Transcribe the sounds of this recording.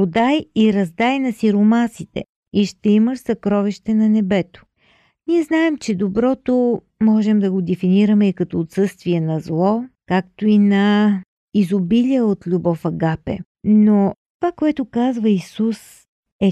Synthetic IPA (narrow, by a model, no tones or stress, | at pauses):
od̪ajiɾɐzd̪ajnɐsiɾomasit̪ɛ̰ | iʃt̪ɛiməʃsɐkɾɔviʃt̪ɛnɐnɛbɛt̪o̥ | niɛznaɛmt͡ʃɛd̪obɾɔt̪o | mɔʒɛmd̪ɐɡod̪ɛfiniɾəmɛikɐt̪ɔːt̪sɤst̪viɛnɐzlˠɔkakt̪oinɐ | izobiliəot̪lʲubɔfɐɡapɛ̰ | not̪ovakoɛt̪ʊkazvəisus | ɛ